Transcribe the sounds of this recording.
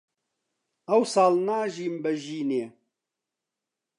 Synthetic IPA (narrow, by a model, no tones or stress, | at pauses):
ɐwsɑːlnaːʒiːmbɐʒiːneː